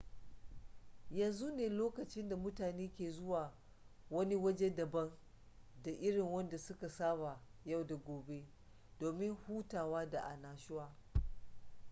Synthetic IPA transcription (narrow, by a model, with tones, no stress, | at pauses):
jɐ˨nzu˦neː˨loː˦kɐ˨t͡ʃɪ˦nda˨mʊ˦taː˨neː˦kʲeː˨zʊ˦waː˨ | wɐ˦ni˦wɐ˦d͡ʒe˦dɐ˨bɐ˦n | da˨ʔɪ˦ɽɪ˨ŋwɐ˦nda˨sʊ˦ka˨saː˦ba˨ja˦˨wda˨ɡʷoː˨be˦ | d̥oː˨mɪ˦ŋhuː˦taː˨waː˦da˨ʔa˨naː˨ʃʊ˦waː˦